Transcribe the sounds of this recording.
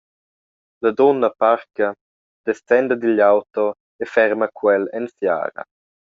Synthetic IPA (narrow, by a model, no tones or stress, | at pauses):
lad̪ɔnːapaɾka | d̪̥ɛstɛnd̪əd̪ilawt̪ɔ | efɛɾmakwɛlɛnsja̰ːɾɐ̰